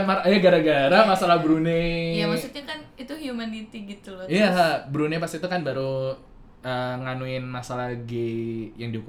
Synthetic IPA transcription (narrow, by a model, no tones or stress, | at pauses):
maɾjaɡaɾaɡaɾamasalahbɾunejamasut̪ɲakanit̪uhjumanit̪iɡit̪ulɔijaɦabɾunepast̪it̪ukanbaɾu | əŋanuɪnmasalahɡejaŋdihuku